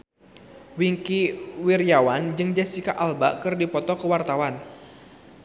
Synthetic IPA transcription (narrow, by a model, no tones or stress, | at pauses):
wiŋkiwirjawand͡ʒɨŋd͡ʒasikaʔalba̰kɨrdipɔt̪ɔkəwart̪awan